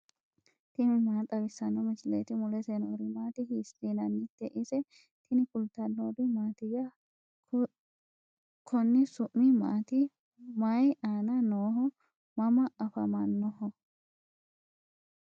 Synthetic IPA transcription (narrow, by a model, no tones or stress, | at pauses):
t̪ɪmɪmaːt̪ʼɐbɪsːɐnːɔmɪt͡ʃɪlḛːt̪ɪmʊlɛsenoːɾɪmaːt̪ɪhiːstiːnɐnːɪt̪ːɛʔɪsɛ | t̪ʰɪnɪkʊlt̪ɐnːoːd̪ɪmaːt̪ɪjɐ | kʰɔnːɪsʊʔːɪma̰ːt̪ɪ | mɐjʔaːnɐnoːɦɔ | mɐmɐɐfɐmɐnːɔhɔ